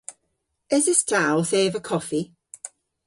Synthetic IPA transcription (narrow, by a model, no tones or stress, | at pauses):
ɪzəstʰawˠθeːvəkʰɔfi